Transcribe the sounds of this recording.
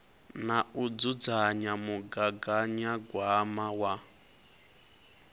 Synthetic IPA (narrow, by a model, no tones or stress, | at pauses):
naud͡zud͡zaɲamuɡaɡaɲaɡwamawa